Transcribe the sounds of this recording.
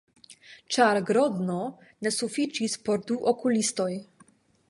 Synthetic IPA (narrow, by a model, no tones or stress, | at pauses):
t͡ʃaɾɡɾɔd̪no | nesufit͡ʃispoɾd̪uʔokulist̪oj